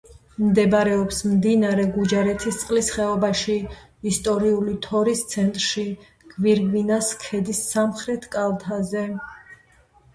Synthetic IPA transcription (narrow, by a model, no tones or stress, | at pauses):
md̪ɛbɾɛɔpsmd̪inaɾɛɡud͡ʒaɾɛt̪ʰist̪sʼqʼlisχɛɔbaʃi | ist̪ʼɔɾiulit̪ʰɔɾist̪sʰɛnt̪ʼɾʃi | ɡ̥viɾɡvinaskʰɛd̪isːamχɾɛt̪ʰkʼalˠt̪ʰazɛ